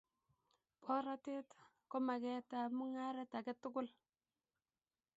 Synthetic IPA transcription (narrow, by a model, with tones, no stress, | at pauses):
pɔ˦ɾa˦te˦t | kɔ˦ma˨kɛ˦ta˨mu˦ŋa˦ɾa˦ta˨kɛ˦tːʊ˦ɡʊ˦l